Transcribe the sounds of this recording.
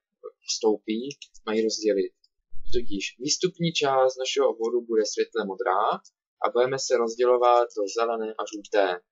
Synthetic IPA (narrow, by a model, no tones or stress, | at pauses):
st̪o̞wpiːmajiɾo̞zɟɛlɪt̪̚ | t̪ocɪʃviːst̪upɲiːt͡ʃaːst̪naʃɛɦoobvodubudɛsvjɛt̪lɛmod̪ɾa̰ː | ʔa̰budɛmɛsɛɾo̞zɟɛlo̞vat̪̚do̞zɛlɛnɛːʔaʒuːt̪ɛː